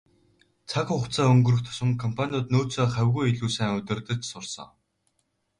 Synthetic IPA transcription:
t͡sʰakχʊχt͡sʰaːɵŋɡɵ̆rɵ̆xt̪ʰɔ̥ʃɪ̆ŋkʰɔmpʰanʲʊːt̪noːt͡soːχæwʲɣujeɮuːsæːŋʊt̪ʲɪ̆rt̪ə̆t͡ɕsʊrsɞ̰̆ŋ

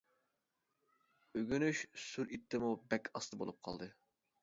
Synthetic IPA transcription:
øɡʲynyʃsyɾit̪ʰːɪmubɛkʲʰɑst̪ɨbo̰lˠup̚qʰɑ̰lˠd̪ɨ

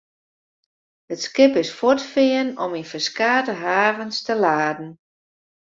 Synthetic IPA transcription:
ətskɪpɪsfɔtfɪənɔminfəskaːdəɦaːvənstəlaːdn̩

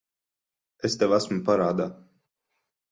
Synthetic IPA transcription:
est̪ɛwasmupaɾaːd̪a

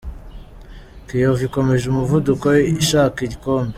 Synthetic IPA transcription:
kijoviko̞meʒumuvudukojeʃakiɟikoːmbe

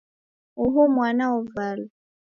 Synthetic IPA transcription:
uɦumwanaɔvalu

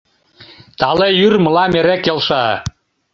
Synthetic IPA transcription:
t̪ɑlejyrmɤ̆lɑmeɾekelʃɑ

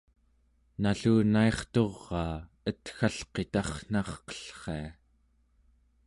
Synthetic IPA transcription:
naɬuːnaeχt̪o̞ʁːɑː | ət̪xaɬqe̞t̪ɑχn̥ɑχqʌ̥ə̥ɬχe̞a

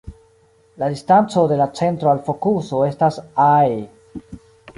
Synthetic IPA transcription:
ladistant͡so̞de̞lat͡se̞ntɾo̞alfo̞kuso̞e̞stasae

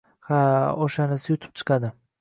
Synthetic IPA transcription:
haoʃanɪsɪjʊt̪ʰɪ̥p̚t͡ʃʰɨ̥qʰad̪ɪ

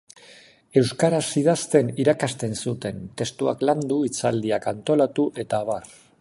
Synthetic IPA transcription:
e̞wskaɾasið̞ast̪e̞niɾakast̪e̞nsut̪e̞nt̪e̞st̪uakland̪uit͡sald̪iakant̪o̞lat̪uʔe̞t̪aːβar

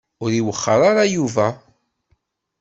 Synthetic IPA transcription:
ʊɾiwəχːəɾˤaɾajuvæ

